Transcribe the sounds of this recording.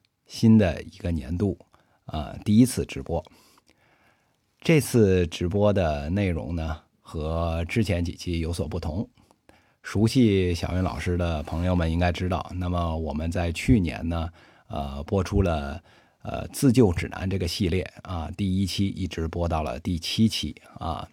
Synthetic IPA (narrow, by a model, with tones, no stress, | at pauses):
ɕi˥nd̪ə̰˨i˧˥ɡə˧njɛ̰˧˥nt̪u˥˩ | ə̰˧˩t̪i˥˩i˥t͡sʰɹ̩˥˩ʈ͡ʂɻ̩˧˥pwɔ˥ | ʈ͡ʂɤ˥˧t͡sʰɹ̩˥˩ʈ͡ʂɻ̩˧˥p̬wɔ˥d̪ə˨ne˥˩ɪɻʊ̰˧˥ŋnə˧ | xɤ˧˥ʈ͡ʂɻ̩˥t͡ɕʰjɛ˧˥nt͡ɕḭ˨˩t͡ɕʰi˥˩jo˧˥ʊswɔ˨˩pu˥˩t̪ʰʊ˧˥ŋ | ʂu˧˥ɕi˥˧ɕjɑ˨˩ʊɥɛ˧˥nlɑ̰˨˩ʊʂɻ̩˥d̪ə˨pʰɤ˧˥ŋjo˧ʊmə˩ni˥ŋka˥ɪʈ͡ʂɻ̩˥t̪ɑ˥˩ʊna˥˩mə˩wɔ˨˩mə˦nt͡sa˥˧ɪt͡ɕʰy˥˩njɛ̰˧˥nnə˧ | ə̰˧˩pwɔ˥ʈ͡ʂʰu˥lə˨ | ə̰˧˩t͡sɹ̩˥˧t͡ɕjo˥˩ʊʈ͡ʂɻ̩˨˩na̰˧˥nʈ͡ʂɤ˥˩ɡə˩ɕi˥˧ljɛ˥˩ə˧˩t̪i˥˩i˥t͡ɕʰi˥ʔi˥˩ʈ͡ʂɻ̩˧˥pwɔ˥t̪ɑ˥˩ʊlə̰˩t̪i˥˩t͡ɕʰi˥t͡ɕʰi˥˩ə̰˧˩